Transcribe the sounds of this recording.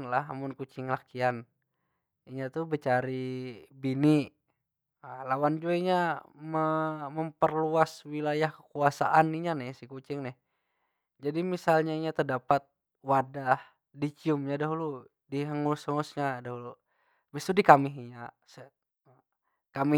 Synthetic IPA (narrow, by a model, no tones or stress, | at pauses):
nlaɦa̰mʊnkut͡ʃɪŋlakian | iɲat̪ubət͡ʃaɾibini | əlawand͡ʒuaiɲaməməmpərluaswilajahkə̥kuasa̰ʔaniɲanɛhsikut͡ʃɪŋnɛh | d͡ʒadimisalɲaiɲat̪ərdapat̪̚ | wadah | dit͡ʃiʊmɲadaɦulu | diɦəŋusəŋʊsɲadaɦulu | bist̪udikamɪɦiɲa | sə | kami